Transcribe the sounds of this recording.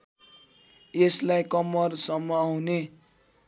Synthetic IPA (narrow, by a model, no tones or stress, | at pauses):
eslajkʌmʌrsʌmːʌune